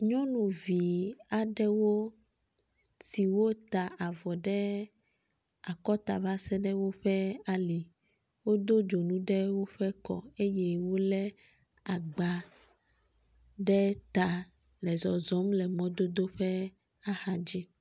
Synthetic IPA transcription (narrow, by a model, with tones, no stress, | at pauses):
ɲɔ̃˦nũ˨vi˨a˨ɖɛ˦wo˦ | si˨wo˦t̪a˨ʔa˨vɔ˨ɖɛ˦ | a˨kɔ˦t̪a̰˨va˦sɛ˦ɖɛ˦wo˦ɸɛ˦a˨li˨ | wo˦d̪o˦d͡ʒo˨nũ˦ɖɛ˦wo˦ɸɛ˦kɔ̰˨e˦jɛ˦wo˦lɛ˦ | a˨ɡ͡ba˨ | ɖɛ˦t̪a˨ | lɛ˨zɔ˨zɔ˨˦mlɛ˨mɔ̃˦d̪o˦d̪o˦ɸɛ˦ | a˦hã˦d͡ʒi˦